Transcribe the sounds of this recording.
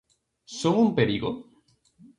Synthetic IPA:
soŋumpeɾiɣo

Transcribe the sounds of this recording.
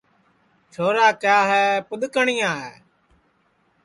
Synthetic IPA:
t͡ʃʰoːɾaːkjaːɦɛːpʊɗ̪kəɳɪjãːɦɛː

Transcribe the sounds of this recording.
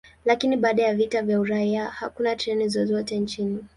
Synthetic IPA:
lakiniɓaːɗajavitavjauɾaiahakunatɾɛnizɔzɔtɛnt͡ʃini

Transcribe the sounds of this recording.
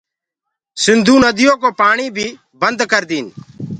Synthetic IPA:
sɪnd̪ʱuːnəd̪ɪjõːkoːpaːɳiːbʱiː | bənd̪kəɾd̪iːn

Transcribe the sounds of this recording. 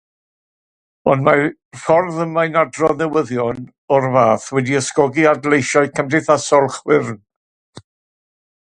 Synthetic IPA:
ɔnma | fɔrðəmːajnadrɔnəwəðjɔn | ɔrvaːθwɛdiəskɔɡiadlejʃaɨkʰəmdɨθasɔlˠχwɪrn

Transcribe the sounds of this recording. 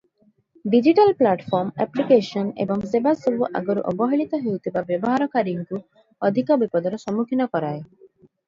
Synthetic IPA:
ɖid͡ʒiʈalplaʈpʰɔɾmɛplikesɔnḛbɔŋsebasɔbuʔa̰ɡɔɾṵʔɔbɔɦiɭit̪ɔɦewt̪ʰibabjɔbɔɦaɾɔkaɾiŋku | ɔd̪ʱikɔbipɔd̪ɔɾɔsɔmukʰinɔkɔɾae

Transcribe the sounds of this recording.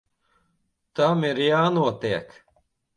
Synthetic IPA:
t̪amiɾjaːnuɔt̪iɛk

